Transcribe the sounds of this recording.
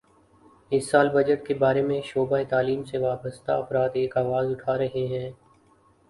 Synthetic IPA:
ɪsːaːlbɐd͡ʒəʈkebaːɾemẽʃoːbaːet̪aːliːmseʋaːbəst̪a̰ɐfɾaːd̪eːkaːʋaːzʊʈʰaːɾɐɦeɦɛ̃ː

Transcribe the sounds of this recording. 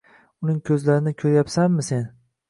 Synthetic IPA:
ʊnɪŋkʲʰɵzlaɾɪnɪkʲʰɵɾjapsanːɪse̞n

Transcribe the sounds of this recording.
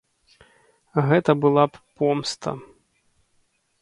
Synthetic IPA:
ɣɛt̪ɐbɨlˠapɔmst̪ɐ̰

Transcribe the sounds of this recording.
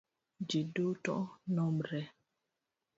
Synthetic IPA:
d͡ʒidotɔ̰ʔnɔmɾɛ

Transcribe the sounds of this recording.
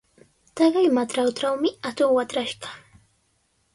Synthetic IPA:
t̪ɑɢɑjmat̪ɾawʈ͡ʂawmɪat̪oŋwat̪ɾaʃɢɑ̥

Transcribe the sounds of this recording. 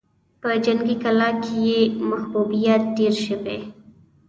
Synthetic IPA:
pəd͡ʒɐŋɡikɐlakejemɐxbubijat̪̚ɖeɾʃəbḛ

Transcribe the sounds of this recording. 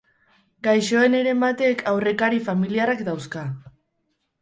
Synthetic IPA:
ɡajʃo̞ene̞ɾe̞mbat̪e̞kʰawre̞kaɾifamiliarakd̪awska

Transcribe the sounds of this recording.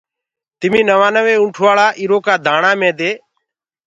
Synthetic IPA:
t̪ɪmĩːnəʋaːnəʋeːũːʈʰʋaːɭaːʔɪɾoːkaːd̪ʱaːɳaːmẽːd̪eː

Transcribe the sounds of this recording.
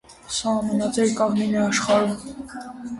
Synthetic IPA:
sɑhmɑnɑt͡sɛɾkɑʁminɛɑʃχɑɾum

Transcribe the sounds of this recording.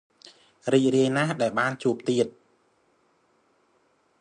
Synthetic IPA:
riːc̚riəjnahɗaɛlɓaːnt͡ɕuəp̚t̪iət̪̚

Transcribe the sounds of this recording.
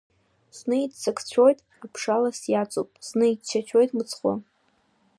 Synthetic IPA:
snɨidt͡sʰakʰt͡ɕʷʰo̞jtʼ | apʰʂalasjat͡sʼo̰pʼsnɨidt͡ʃʰat͡ʃʷʰo̞jtʼmɨt͡sʰχʷo̰

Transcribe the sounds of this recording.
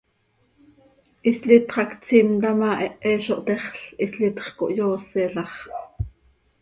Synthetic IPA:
ʔislit̪χɑkt͡simt̪ɑmɑːʔɛʔɛːʃoʔt̪ɛχɬislit̪χko̰ʔjoːsɛɬɑχ

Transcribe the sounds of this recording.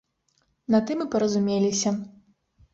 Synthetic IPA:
nɐt̪ɨmɨpɐɾɐzumʲelʲisʲɐ

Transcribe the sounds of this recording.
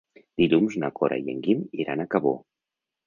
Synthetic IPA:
d̪̥iʎumznakɔɾʔa̰jḛŋɡimiɾanakaβo̰

